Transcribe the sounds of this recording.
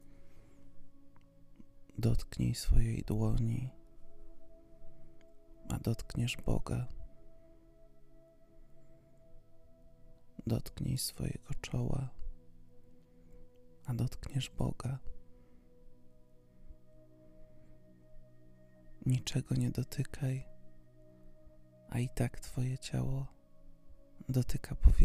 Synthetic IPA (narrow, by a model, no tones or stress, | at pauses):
d̪ɔt̪kɲɛjsfɔjejd̪wɔɲi | a̰d̪ɔt̪kɲɛʐbɔ̰ɡa | d̪ɔt̪kɲɛjsfɔ̰jɛɡ̥ɔt͡ʂɔwa | ad̪ɔt̪kɲɛʐbɔ̰ɡa | ɲit͡ʂɛɡɔɲɛd̪ɔt̪ʰɘkʰaj | ʔa̰it̪akt̪fɔjɛt͡ɕa̰wɔ | d̪ɔt̪ɘkʰapɔvʲ